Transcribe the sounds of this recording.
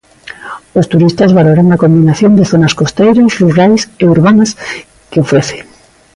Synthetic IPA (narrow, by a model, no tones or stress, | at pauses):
ost̪uɾist̪azβaloɾaŋakombinaθjõnd̪eθonaskost̪ejɾasruɣɾajseuɾβanas | keofɾeθe̥